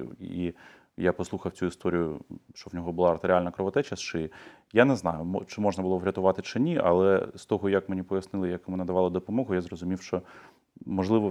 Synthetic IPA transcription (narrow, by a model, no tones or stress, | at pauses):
i | japɔslˠuxɐwt͡sʲuist̪ɔɾʲijʊʃt͡ʃɔwnʲɔɦɔbʊlˠɑɐrt̪eɾʲɪalʲnɐkɾɔʋɐt̪ɛt͡ʃɐst͡ʃɪ | janɛznɑjʊmɔt͡ʃɪmɔʒnɐbʊlˠɔʋɾʲɐt̪ʊʋɑt̪ɪt͡ʃɪnʲiʔɐ̰lˠɛst̪ɔɦɔjɐkmenʲipɔjɐsnɪlˠɪjɐkjɔmunɐd̪ɐʋɑlˠɪd̪ɔpɔmɔɦʊjazrɔzʊmʲiwʃt͡ʃɔ | mɔʒlˠɪʋɔ